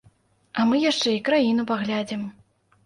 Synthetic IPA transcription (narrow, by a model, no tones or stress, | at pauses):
ɐmɨjaʂt͡ʂɛikɾajin̪upaɣlʲad͡zʲɛm